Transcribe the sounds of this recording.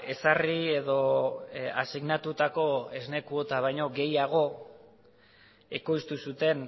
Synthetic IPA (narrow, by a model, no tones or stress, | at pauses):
esarie̞ðo̞ | a̰siɣnat̪ut̪ako̞e̞zne̞kuot̪aβajɲo̞ɡe̞jaɣ̞o̞ | e̞ko̞jst̪usut̪e̞n